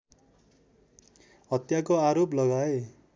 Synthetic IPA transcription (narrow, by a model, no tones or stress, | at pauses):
ɦʌt̪jakoaɾoplʌɡae